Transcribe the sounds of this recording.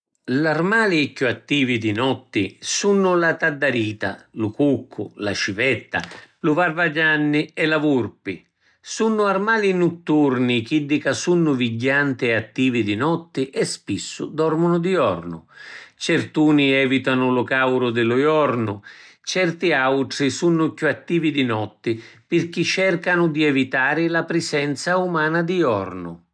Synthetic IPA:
larmaːliɛkːuat̪ːiːvid̪inɔt̪ːɪsunːʊlat̪ad̪ːaɾiːt̪a̰lukukʰːʊ̰lat͡ʃivɛt̪ːa̰lʊvarvad͡ʒanːiɛlavurpi | sunːʊarmaːlinut̪ːurnik̟id̪ːikasunːʊviɟːant̪ɪɛat̪ːiːvid̪inɔt̪ːɪʔɛspisːʊ̰d̪ɔrmʊnʊd̪iɔrnʊ̰t͡ʃɛrt̪uːniɛːvit̪anʊlʊkawɾʊd̪ɪlʊjɔrnʊt͡ʃɛrt̪iawʈɾisunːʊkjuat̪ːiːvid̪inɔt̪ːɪpɪrk̟it͡ʃːɛrkanʊd̪iɛvit̪aːɾɪlapɾɪsɛnt̪saumaːnad̪iɔ̰rnʊ̰

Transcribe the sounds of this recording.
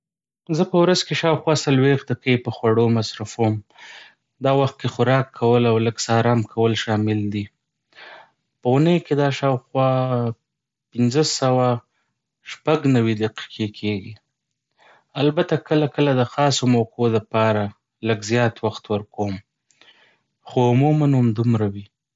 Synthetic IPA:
zəpəwɾazkeʃɑwxwɑsalwexd̪aqejpəxwaɽomasɾafom | d̪ɑwaxt̪̚kexʊɾɑkʰːawəlawləɡsɑɾɑmkʰawəlʃɑmɪld̪i | pəʊnəjked̪ɑʃɑwxwɑ | pɪnzəsawa | ʃpaɡnawid̪aqi̥qʰekʰeɡi | albat̪akəlakəlad̪əxɑsomokʰoləpɑɾa | ləɡzjɑt̪waxt̪wəɾkom | xoʊmumanʊmd̪umɾawi

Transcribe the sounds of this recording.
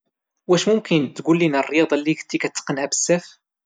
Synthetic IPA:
wæʃmʊmkənt̪ːɡulːinərˤːjɑd̪ˤlːiçt̪ːikæt͡sːə̥qənhæbə̥sːæf

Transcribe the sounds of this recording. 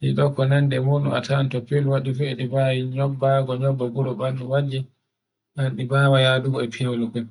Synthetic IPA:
niɗɔkːɔnandɛmunṵma̰tʰantɔpːilwaɗifɛɛɗibawiɲɔbːaɡɔɲɔbːaɡuɾɔbanːuwad͡ʒɛ | ɗanɗibaːwajaduɡɔɛpʰiawlukɛ

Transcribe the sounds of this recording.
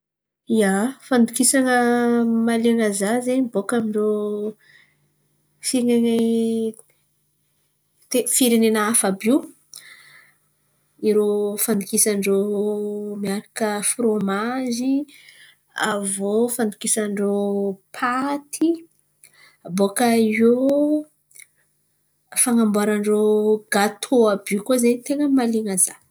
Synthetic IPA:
iafand̪ukisaŋəmaleaŋazazenbokamiɳɖ͡ʐo | fiŋene | t̪efiɾenenaafabu | iɾofand̪ukisaɳɖ͡ʐo | miaɾakəfromazi | avofand̪i̥kisaɳɖ͡ʐopʰat̪ʰi | abokao | faŋambuaɾaɳɖ͡ʐoɡat̪ʰoabukozant̪eŋəmaliŋəza

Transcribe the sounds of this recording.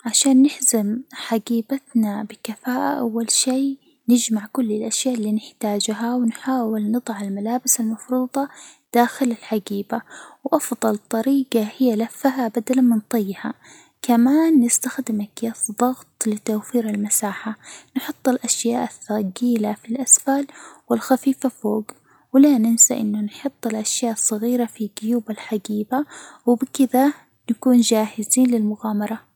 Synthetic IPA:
ʕaʃaːnːɪħzamħaɡiːbat̪nabɪkafaːʔa̰ʔawːalʃeː | nɪd͡ʒmaʕkʊlːɪlʔaʃjaːʔlːiːnɪħt̪aːd͡ʒɦawnħaːwɪlnɨd̪ˤɑʕalmalaːbɪsalmɑfɾuːd̪ˤɑd̪̥aːxɪlalħaɡiːbawʔɑfðˤɑlt̪ˤːɑɾiːɡahɪjːalafːaɦabad̪alamɪnt̪ˤɨjːha | kamaːnːɪst̪axd̪ɪmʔakjaːsðˤɑɣt̪ˤlɪt̪awfiːɾalmasaːħanħʊt̪ˤːɪlʔaʃjaːʔθaɡiːlafilʔasfalwɪlxafiːfafoːɡ | wɪlanɪnsaʔɪnːʊnħʊt̪ˤːɪlʔaʃjaːʔsˤːɑɣiːɾafiɡʊjuːbalħaɡiːbawɪbɪkɪða | nakuːnd͡ʒaːhɪziːnlɪlmʊɣaːmɑɾˤɑ

